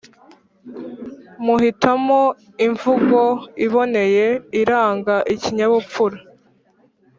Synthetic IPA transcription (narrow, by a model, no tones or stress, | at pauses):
muɦitamo | iɱvuɡo̞iβo̞ne̞je̞iɾaːŋɡaʔiciɲaβup͡fuɾa